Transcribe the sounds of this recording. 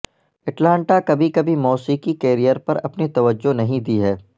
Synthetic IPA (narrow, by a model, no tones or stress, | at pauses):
ɐʈlãːɳʈakɐbʱikɐbʱimɔːsiːkikɛːɾijəɾpɐɾɐ̰pnet̪ɐʋəd͡ʒːonɐɦĩd̪iɦɛː